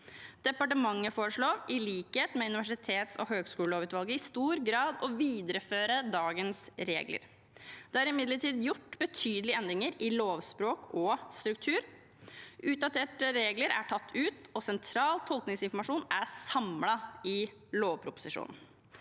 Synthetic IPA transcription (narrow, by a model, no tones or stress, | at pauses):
d̪̥ɛpɑʈəmɑŋːəfoːɾəʂɭoːɪliːkheːt̪mɛʉnɪʋæʂɪt̪ʰeːt̪sɔ̰ɦøːɡskʉːləloːʋʉːt̪ʋɑlɡəɪst̪uːɾɡɾɑːd̪ɔʋiːd̪əɾəføːɾəd̪ɑːɡənsɾḛːɡlə̰ɾ | d̪̥ɛæɾɪmɪd̪ləʈʰiːd̪jʊʈːbət̪ʰyːd̪əlɪɛnd̪ɾɪŋəɾɪloːʋspɾoːkɔst̪ɾʉk̚t̪ʰʉːɾ | ʉːt̪̚d̪ɑt̪ʰeːʈəɾeːɡləɾæ̰ʈʰɑt̪ʰːʉːt̪ɔsɛnt̪ʰɾɑːlt̪ʰɔlknɪŋsɪnfɔɾmɑʂuːnæsɑmlɑɪ | loːʋpʰɾʊpʊ̥sɪʂṵːnn̩